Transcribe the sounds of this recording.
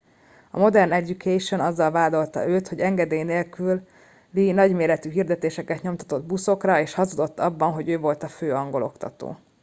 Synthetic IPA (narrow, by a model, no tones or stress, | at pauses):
ɒ̰mo̞d̪ɛrnɛɟukʰɛʃo̞nɒzːɒlvaːd̪o̞lt̪ɒ̰ʔøːt̪ho̞ɟɛŋɡɛd̪eːjneːlkyl | linɒɟmeːɾɛt̪yɦiːrd̪ɛt̪eːʃɛkɛt̪ɲo̞mt̪ɒ̥t̪o̞d̪buso̞krɒeːʃhɒzod̪o̞t̪ːɒbːɒnɦo̞ɟøːvo̞lt̪ɒføːɒŋɡo̞lo̞kt̪ɒ̰t̪o̰ː